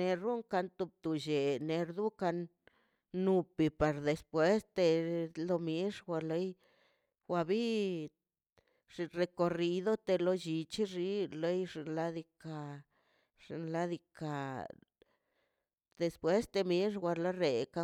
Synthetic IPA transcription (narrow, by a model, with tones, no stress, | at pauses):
ne˧ɾu˦ŋka˧nt̪u˧b̚t̪u˧ʃe˨ne˧ɾd̪u˦ka˧nː | u˧pi˧pa˧ɾd̪e˧spwe˦st̪e˧lo˧mi˦ʂwʷa˧le˧˦j | wa˧bi˦ | ʐi˧ɾe˧ko˧ri˧d̪o˦t̪e˧lo˧d͡ʒi˧t͡ʃi˦ʐi˧le˦jʐi˧nla˦d̪i˧ka˧ | ʐ̥i˧nla˦d̪i˧ka˧ | d̪e˧spwe˦st̪e˧mi˦ʂwʷa˧lo˦ɾe˨ka˧